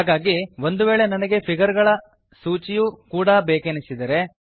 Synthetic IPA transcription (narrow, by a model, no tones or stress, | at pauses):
ɦaːɡaːɡiʋond̪uʋe̞ːɭe̞nɐnɐɡe̞pʰiɡɐɾɡɐɭɐ | suːt͡ʃijukuːɽɐbeːkenisid̪ɐɾe̞